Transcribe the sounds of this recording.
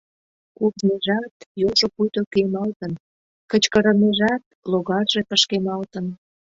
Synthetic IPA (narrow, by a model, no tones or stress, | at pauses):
kurneʒɑt̪joʒopujt̪okemɑlt̪ən | kət͡ɕkəɾəneʒɑt̪loɣɑrʒepəʃkemɑlt̪ən